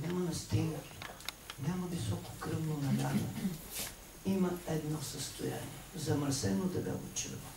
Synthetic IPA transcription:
nʲamɐnɐst̪iŋɡət̪ | nʲamɐvisɔkʊ̥kɾəvnonɐlʲad̪ɐ̰ | imɐɛd̪nɔsɐst̪oja̰nḭɛzɐməɾsɛnod̪ɐbɛ̰ɡot͡ʃə̰vɐ

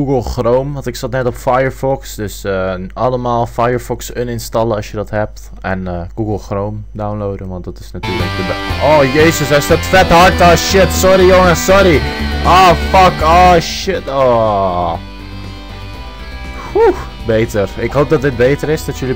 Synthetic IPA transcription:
ɡuɡəlˠxrowmʋɑntɪksɑtnɛtɔpfajəɹfɔksdøsəɑləmaːlˠfajəɹfɔksənɪnstɑlˠəɑsjədɔtɦɛp̚t | ɛnəɡ̥uɡəlˠxrowmdawnlowdəʋɑntdɑtɪ̥snatyːɹləkdəboːjeːsəsɛsdɔtfɛtɦɑɹtɔʃɪtsɔɾijoŋəsɔɾiʔoːfɑkɔʃɪtoː | hu | beːtərɪkɦowp̚dɔtdɪt̚bejtəɾɪsdɔtjəli

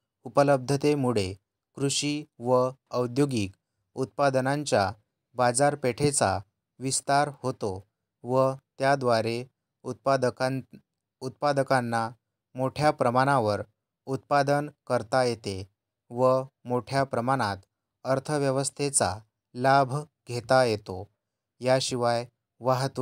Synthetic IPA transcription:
upələb̚d̪ʱət̪emuɭe | kɾuɕiʋəəwd̪joɡik | ut̪̚pad̪ənãɲt͡ɕja | bad͡zaɾpeʈʰet͡sa̰ | ʋist̪aɾhot̪o | ʋət̪jad̪ʋaɾe | ut̪̚p̪ | ut̪̚pad̪əkãnːa | moʈʰjapɾəmaɽ̃ãʋəɾ | ut̪̚pad̪ənkəɾt̪ajet̪e | ʋəmoʈʰjapɾəmaɽ̃at̪ | əɾt̪ʰəʋjəʋəst̪ʰet͡sa | labʱɡʱet̪ajet̪o | jaɕiʋaj | ʋaɦət̪

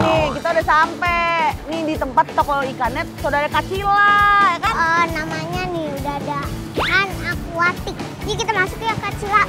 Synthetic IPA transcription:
nɪkit̪audasampɛnɪdit̪əmpat̪ːɔkɔikanɛt̪̚saudaɾakat͡ʃilajakanənamaɲanɪudaada | anakuat̪ɪk̚ | d͡ʒak̬it̪amasʊkjakat͡ʃila

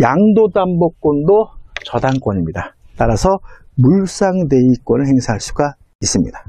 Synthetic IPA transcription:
jaŋdodambok͈ondot͡ɕʌdaŋk͈wʌɲimɲidat͈aɾasʰʌ | muɭs͈aŋde̞ik͈wʌnɯɭhe̞ŋsʰaɦaɭs͈uɡa | is͈ɯmɲḭda

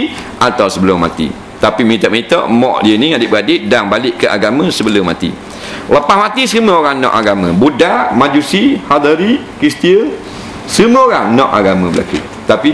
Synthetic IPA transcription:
ʔat̪awsəbəlʊmːa̰t̪ḭ | t̪apiməit̪ɔʔ̚məit̪ɔʔmɔ̰̃ʔdiəniŋadɪʔ̚bəadɪʔ̚daŋbalɪʔkəʔa̰ɡamə̃səbəlʊmːa̰t̪ḭ | ləpahmãt̪isəmə̃oɾaŋnɔ̰ʔaɡamə̃budaʔmãd͡ʒusihad̪əɾikɾist̪iə | səmə̃oɾaŋnɔʔaɡamə̃bəla̰kṵ | t̪api

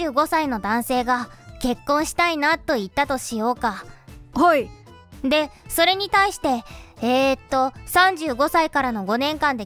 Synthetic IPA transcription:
ɨːɡo̞saino̞d̪ãɰ̃se̞ːɡake̞kːõ̞ɰ̃ɕi̥t̪ainat̪ːo̞it̪ːat̪o̞ɕijo̞ːkahai | d̪e̞so̞ɾe̞ɲ̟it̪aiɕi̥t̪e̞eːt̪ːo̞sãɲ̟d͡ʑɨːɡo̞saikaɾano̞ɡo̞nẽ̞ŋkãnd̪e̞

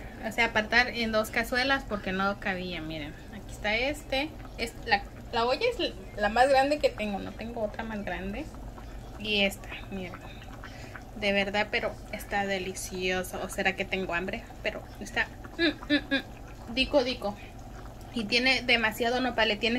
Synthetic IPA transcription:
oseapaɾt̪aɾend̪o̞skaswe̞laspo̞ɾke̞nokaβiamiɾen | akiest̪aest̪e | esla | laoʝaez | lamazɣɾand̪e̞ke̞t̪e̞ŋɡo̞no̞̰t̪e̞ŋɡoot̪ɾamazɡɾand̪e̞ | iest̪ḁmiɾen | d̪e̞β̞e̞ɾðaðpe̞ɾo̞ | e̞st̪aðe̞lisjosoose̞ɾake̞t̪e̞ŋɡoambɾe̞ | pe̞ɾʔo̞̰ | est̪a | d̪ikoðiko | it̪je̞ne̞ðe̞masjaðo̞no̞βaβle̞t̪jene

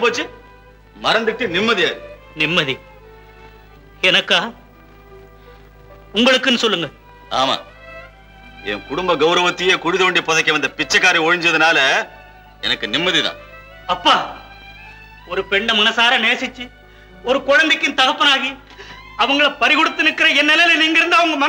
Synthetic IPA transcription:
p̬oːt͡ʃːɯ | mɐɾɐnd̪ɯʈːɯnɪmːɐðijaːðɯ | nɪmːɐði | ɛnɐkːaː | ʊŋɡɐɭɯkːɯnːɯsɔlːɯŋɡɐ | a̰ːma̰ː | ɛ̰ŋkʊɽʊmbɐɡɐʊɾɐʋɐt̪ːɯjeːkʊɻɪðɐʋeːɳɖipɔðɐkːɐʋɐnd̪ɐpɪt͡ʃːɐkːaːɾiɔɻɐɲd͡ʒɐðɐnaːlɐ | ɛ̰nɐkːɯnɪmːɐðiðã̰ː | ɐpːaː | ɔɾɯpɛɳɖɐmɐnɐsaːɾɐneːsɪt͡ʃːɯ | ɔɾɯkɔɻɐnd̪eɪkːɪnt̪ɐɣɐpːɐnaːɣi | ɐʋɐŋɡɐɭɐpɐɾɪɣɔɽɯt̪ːɯnɯkːɪɾɐɛnːɛlɐjɪlɐniːŋɡɐɪɾɯnd̪ɐʋɐŋɡɐmɐn

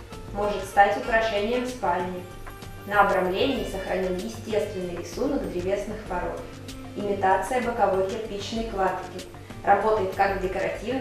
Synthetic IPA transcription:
mo̞ʐɨt̪st̪atʲʊkɾɐʂɛnʲɪjəmspalʲnʲɪ | nəɐbɾɐmlʲenʲɪːsəxɾɐnʲilˠjɪsʲtʲe̞st̪vʲɪnːɨjɾʲɪsunəkd̪ɾʲɪvʲe̞snɨxpɐɾo̞̰t̪ | ɪmʲɪt̪at̪sɨjəbəkɐvo̞jtʲɪrpʲit͡ɕnəjklˠat̪ʲɪkʲɪ | rʔɐbo̞t̪əjɪt̪kaɡdʲɪkəɾɐtʲivn

